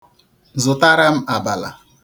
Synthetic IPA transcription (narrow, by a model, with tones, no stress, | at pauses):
zʊ˨ta˦ɾa˦m̩˦a˨ba˨la̰˨